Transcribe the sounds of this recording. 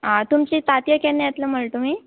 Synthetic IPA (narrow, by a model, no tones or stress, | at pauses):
ɦãt̪umt͡ɕit̪at̪jəkenːjjat̪ləm̤əɭt̪omiː